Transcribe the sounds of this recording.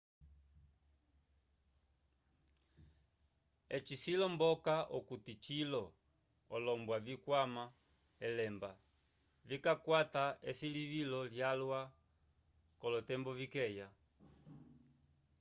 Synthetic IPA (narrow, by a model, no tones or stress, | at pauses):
ɛt͡ʃisilɔmbɔkaʔɔkutit͡ʃilɔ | ɔlɔmbwavikwama | ɛlɛmba | vikakwataɛsilivilɔljalwa | kɔlɔtɛmbɔvikɛja